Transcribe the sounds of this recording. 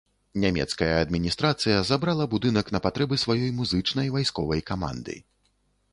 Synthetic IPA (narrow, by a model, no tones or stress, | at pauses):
nʲamʲɛ̰t̪skɐjɐɐd̪̚mʲinʲist̪ɾat̪sɨjɐzabɾalˠɐbud̪ɨnɐkn̪ɐpat̪ɾɛbɨsvajɔjmuzɨt͡ʂnɐjvajskɔvɐjkama̰nd̪ɨ̰